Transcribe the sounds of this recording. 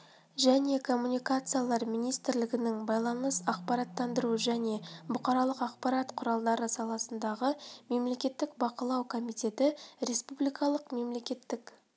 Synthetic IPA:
ʒæne̞kʰo̞mːunʲijkat̪sɨjalˠɑɾminijst̪ɪɾlɪɡʲɪnɪŋbɑjlˠɑnəsɑq̚pɑɾɑt̪ːɑnd̪əɾuʒæne̞bʊqɑɾɑlˠəqɑqpɑɾɑt̪qʰʊɾɑlˠd̪ɑɾəsɑlˠɑsənd̪ɑʁəme̞mle̞kʲe̞t̪ːɪkbɑqəlˠɑwkʰo̞mijt̪e̞t̪ɪɾe̞spublijkɑlˠəqme̞mle̞kʲe̞t̪ːɪk

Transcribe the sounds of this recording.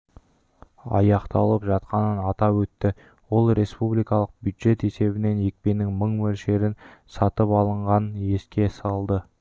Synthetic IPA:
ɑ̰jɑqt̪ɑlˠəpʒɑt̪̚qɑnənɑt̪ɑpwɵt̪ːɪ | wo̞lˠɾe̞spublijkɑlˠəq̚bjud̪ʒe̞t̪e̞se̞βɪne̞nje̞k̚pe̞nɪŋməɴwɵlʃe̞ɾɪnsɑt̪əpɑlˠəɴʁɑnje̞skʲe̞sɑlˠd̪ə

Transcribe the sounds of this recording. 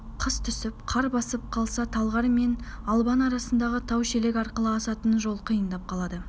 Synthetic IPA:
qʰəst̪ʰʏsɪpqʰɑɾbɑsəp̚qʰɑlˠsɑt̪ʰɑlˠʁɑɾme̞nɑlˠbɑnɑɾɑsənd̪ɑʁət̪ʰɑwʃele̞kʲɑɾqəlˠəɑsɑt̪ənʒo̞lˠqʰijənd̪ɑp̚qʰɑlˠɑd̪ə

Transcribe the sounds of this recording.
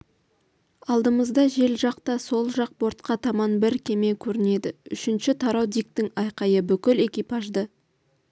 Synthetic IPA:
ɑlˠd̪əməzd̪ɑʒe̞lʒɑqt̪ɑso̞lˠʒɑq̚bo̞ɾt̪̚qɑt̪ʰɑmɑnbɪɾkʲʰe̞me̞kʲʰɵɾɪne̞d̪ɪʏʃɪnʃɪt̪ʰɑɾɑwd̪ijk̚t̪ɪŋɑjqɑjəbʏkʲɪle̞kʲijpɑʒd̪ə

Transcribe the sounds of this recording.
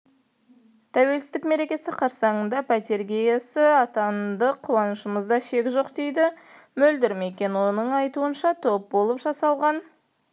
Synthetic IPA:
t̪ʰæwe̞lsɪst̪ɪkme̞ɾe̞kʲe̞sɪqʰɑɾsɑɴənd̪ɑpʰat̪e̞ɾɡʲejasɪɑt̪ɑnd̪əqʰːuwɑnəʃəməzd̪ɑʃe̞kʲʒo̞qd̪e̞jd̪ɪ | mɵld̪ɪɾme̞kʲe̞nwo̞nəɴɑjt̪uənʃɑt̪ʰo̞p̚bo̞lˠəpʒɑsɑlˠʁɑn

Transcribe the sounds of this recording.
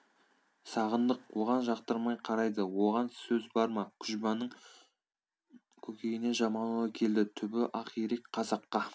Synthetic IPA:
sɑʁənd̪əqwoʁɑnʒɑqt̪əɾmɑjqʰɑɾɑjd̪əwo̞ʁɑnsɵzbɑɾmɑkʲʰʏʒbɑnəɴ | kʲʰɵkʲe̞jɪne̞ʒɑmɑnuɑkʲʰe̞ld̪ɪt̪ʰʏbɪʔɑqijɾekqʰɑzɑqːɑ

